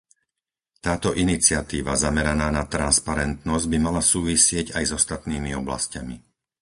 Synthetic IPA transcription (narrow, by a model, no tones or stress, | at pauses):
t̪aːt̪ɔʔinit͡sɪat̪iːʋazamɛɾanaːnat̪ɾanspaɾɛnt̪nɔzɟ̚bimalasuːʋisɪɛɟajzɔst̪at̪niːmiɔbla̰scamḭ